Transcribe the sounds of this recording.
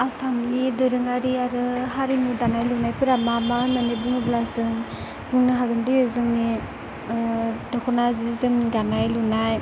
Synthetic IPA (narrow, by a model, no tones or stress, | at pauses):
asamnidɯɾɯŋaɾiaɾɯɦaɾinudanajlunajpɯɾamamananibuŋɯblasɯŋ | buŋnɯɦaɡɯndɯezɯŋni | dɔkʰɔnazizɯmdanajlunaj